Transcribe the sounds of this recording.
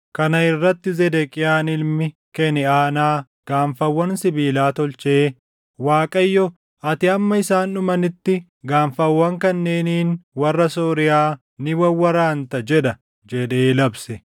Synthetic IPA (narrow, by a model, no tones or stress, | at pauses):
kɐnɐɪrːɐt̪ːɪzɛd̪ɛkʼɪjaːnɪlmɪkɛnɛaːnaː | ɡ̥aːɱfɐwːɐnsɪbiːlaːt̪ɔlt͡ʃeː | waːkʼɐjːɔ | ɐt̪ɪɐmːɐɪsaːnʊmɐnɪt̪ːɪ | ɡaːɱfɐwːɐŋkɐnːe̞ːniːnwɐrːɐsoːɾɪjaː | nɪwɐwɐɾaːnt̪ɐd͡ʒɛᶑɐ | d͡ʒɛᶑe̞ːlɐbsɛ